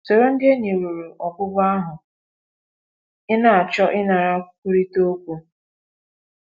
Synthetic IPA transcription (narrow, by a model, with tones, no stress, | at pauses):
so˨ɾo˦n̩˦de˦ɲe˨ɾu˨ɾu˨ʔɔ˨bʊ˦ɡa˦ɦʊ˨ | ɪ˦na˨a˨t͡ʃɔ˦ʔɪ˦na˨ɾa˦ku˦ɾi˦to˦kʷu˦